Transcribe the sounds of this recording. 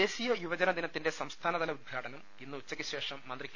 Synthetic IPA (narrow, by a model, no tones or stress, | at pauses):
e̞ːɕiːjɐjuʋɐd͡ʑɐnɐd̪inɐt̪ːinde̞sɐmst̪ʰaːnɐðɐlɐud̪̚ɡʱaːʈɐnɐm | inːɨut͡ɕːɐkʲːɨɕe̞ːʂɐmːɐnd̪rikʲː